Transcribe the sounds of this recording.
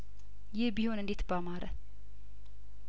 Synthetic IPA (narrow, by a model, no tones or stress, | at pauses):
jɪhbihonɨnd̪et̪ʰbamaɾə̰